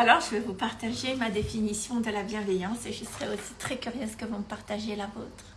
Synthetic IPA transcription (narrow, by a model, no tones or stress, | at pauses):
alɔʁʒəvɛvupaʁt̪aʒemad̪efinisjɔ̃d̪əlabjɛ̃vɛjɑ̃seʒəsəʁɛosi̥t̪χɛkʲyʁjøzkəvuməpaʁt̪aʒelavoːt̪χ